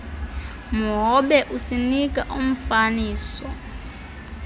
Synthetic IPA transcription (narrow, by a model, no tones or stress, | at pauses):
muɦɔɓɛʔusinik̬ʼaʔum̩faniːsɔ